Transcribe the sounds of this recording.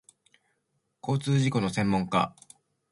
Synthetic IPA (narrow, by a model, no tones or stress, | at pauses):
ko̞ːt͡sɨːʑiko̞no̞sẽ̞mːõ̞ŋka̰